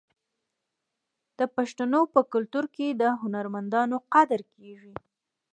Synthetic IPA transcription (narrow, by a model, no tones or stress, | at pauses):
d̪̥əpaʃt̪anopəkʊlt̪uɾked̪əɦʊnaɾmand̪ɑnoqad̪ɾkeʒi